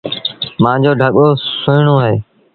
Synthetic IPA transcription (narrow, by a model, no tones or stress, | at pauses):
mãːd͡ʑoːɖʱəɠoːsʊɪɳoːaːɦeː